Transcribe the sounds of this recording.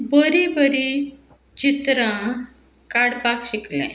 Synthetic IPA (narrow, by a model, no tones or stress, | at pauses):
bəɾibəɾi | t͡ɕit̪ɾã | kaɽpakɕiklɛ̰̃